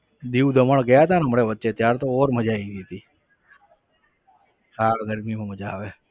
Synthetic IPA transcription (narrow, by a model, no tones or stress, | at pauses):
d̪iːwd̪ʱəməɳɡəjat̪anəməɽeʋətːʃet̪jaːɾt̪oɔɾməd͡ʒaid̪it̪iː | kaɾɡəɾmimãməd͡ʒaːʋe